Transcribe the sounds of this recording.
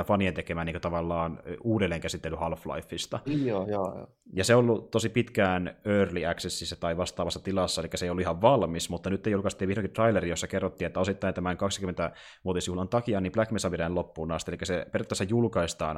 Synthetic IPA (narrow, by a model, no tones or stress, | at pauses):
fɑnient̪ekemæːniːŋkøt̪ɑʋɑlːɑːnuːdelːeːŋkæsit̪ːelːyhɑlflɑ̰ifːist̪ɑojoj̰ | jɑseoolːut̪osipit̪kæːnøːrliæksesːisːæt̪ɑiʋɑst̪ɑːʋɑsːɑt̪ilɑsːɑelikːæseijolːuihɑʋʋɑlmismut̪ːɑnyt̪ːeijolːukɑst̪ːiːʋihɾoŋkit̪rɑileɾijosːɑkerːot̪ːiːet̪ːæosit̪ːɑint̪æmæŋkɑkskymːent̪æ | ʋuot̪isjuhlɑnt̪ɑkiɑːnimplækmesɑpiɾælopːuːnɑːst̪ielikːæseperot̪ːæsːejulkɑist̪ɑ̰ːn